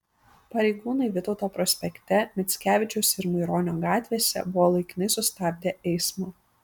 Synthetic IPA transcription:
pɐɾʲɛɪɡuːnɐɪʋʲɪt̪ɒʊt̪oːpɾɔsʲpʲɛkʲt̪ʲɛmʲɛt̪sʲkʲæːʋʲɪt͡ʃʲɛʊsʲɪɾmɐɪɾoːnʲoːɡɑːt̪ʲʋʲeːsʲɛ̰bʊʋɔːlˠɐɪkʲɪnɐɪsʊst̪ɑːb̚ʲd̪ʲeːʔɛɪsmo

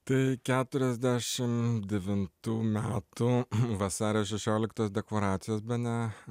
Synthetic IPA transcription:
t̪ɐɪkʲæːt̪ʊɾʲɛzʲd̪ʲæːʃʲɪmd̪ʲɛʋʲɪnt̪uːmʲæːt̪ʊʋɐsɑːɾʲɛjoːsʃʲɛʃʲoːlʲɪkt̪oːsd̪ʲɛklˠoɾɑːt̪sʲɪjoːsbʲɛnʲɛ

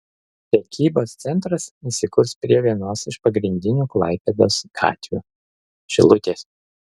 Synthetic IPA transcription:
pʲɾʲɛkʲiːboːst̪sʲɛnˑt̪ɾɐsisʲɪkʊɾspʲɾʲiɛʋʲiɛnoːsɪʃpɐɡɾʲɪnʲd̪ʲɪnʲuːklˠɐ̰ɪpʲed̪oːskʰɑ̰ːt̪ʲʋʲṵ | ʃʲɪ̰lˠʊt̪ʲeːs

